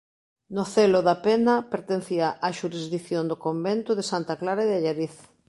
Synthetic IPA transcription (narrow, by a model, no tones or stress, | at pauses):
nʊθelʊðapenɐpeɾt̪en̟θiaʔaʃuɾizðiθjond̪ʊkombent̪ʊðesant̪aklaɾaeðaʎaɾiθ